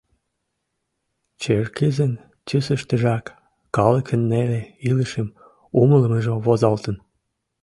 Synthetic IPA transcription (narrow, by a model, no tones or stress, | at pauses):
t͡ɕerkezən | t͡ɕysəʃt̪əʒɑkː | ɑləkʰənːeleiləʃəm | umələməʒoβozɑlt̪ən